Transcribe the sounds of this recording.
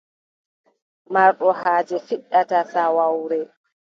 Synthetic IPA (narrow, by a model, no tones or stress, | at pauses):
maɾɗɔhaːd͡ʒɛfiɗːatasawawɾɛ